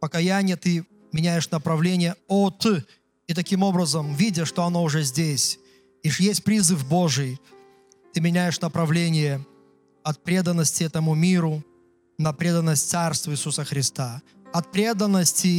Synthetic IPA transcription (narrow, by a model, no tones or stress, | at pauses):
pəkɐjænʲɪjət̪ɨ | mʲɪnʲæjɪʂnəpɾɐvlʲenʲɪjəot̪ɨ | it̪ɐkʲimo̞bɾəzəmvʲidʲəʂt̪oɐno̞ʊʐɛzʲdʲesʲ | iʂjesʲtʲpɾʲizɨfbo̞ʐɨj | t̪ɨmʲɪnʲæjɪʂnəpɾɐvlʲenʲɪjə | ɐt̪̚pɾʲe̞d̪ənːəsʲtʲɪɛt̪əmʊmʲiɾʊ | nɐpɾʲed̪ənːəsʲtʲt̪sarst̪vəisusəxɾʲɪst̪a | ɐt̪̚pɾʲe̞d̪ənːəsʲtʲɪ